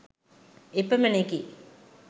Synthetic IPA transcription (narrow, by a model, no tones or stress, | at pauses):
epəməneki